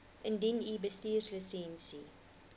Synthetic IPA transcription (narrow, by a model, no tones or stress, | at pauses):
ʔəndinibəstiːrsləsɛnsi